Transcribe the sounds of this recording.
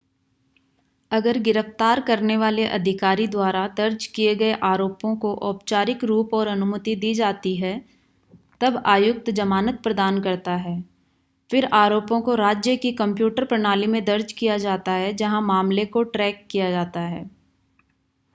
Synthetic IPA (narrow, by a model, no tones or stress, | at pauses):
ɐɡəɾɡɪɾəft̪aːɾkɐɾneʋaːleʔɐd̪ʱɪkaːɾid̪waːɾad̪ɐɾd͡ʒkieɡɐeʔaːɾoːpõkoʔɔːpt͡ʃaːɾɪkɾuːpɔːɾɐnʊmət̪id̪iːd͡ʒaːt̪iɦɛ | t̪ɐbaːjʊk̚t̪d͡ʒɐmaːnət̪̚pɾɐd̪aːnkɐɾt̪aɦɛː | fɪɾaːɾoːpõkoɾaːd͡ʒjəkikɐ̃mpjuːʈəɾpɾɐɽ̃aːlimẽd̪ɐɾd͡ʒkijad͡ʒaːt̪aɦɛd͡ʒɐɦãmaːmlekoʈɾɛːkːijad͡ʒaːt̪aɦɛː